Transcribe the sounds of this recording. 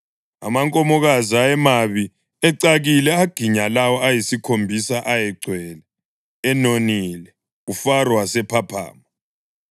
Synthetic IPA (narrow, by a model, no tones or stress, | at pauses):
a̰maŋkʼɔmɔɣazaɛmaβi | ɛǀaɣilɛaɡ̥ʱiɲalawɔajisikʰombʱisaʔajɛɡ͡ǀʱwɛːlɛ | ɛnonilɛ | ufarwasɛpʰapʰa̰ːma